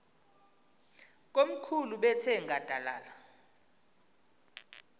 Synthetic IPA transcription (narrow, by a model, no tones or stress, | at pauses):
k̬ʼom̩kʰuluɓɛtʰɛŋad̥ʱala̰ːla